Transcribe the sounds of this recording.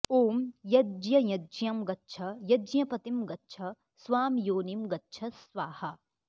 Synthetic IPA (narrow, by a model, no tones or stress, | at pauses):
oːmjɐd͡ʒjɐjɐd͡ʒjɐmɡɐtːʃʰɐjɐd͡ʒjɐpɐt̪imɡɐtːʃʰɐ | sʋaːmjoːnimɡɐtːʃʰɐsʋaːhɐ̆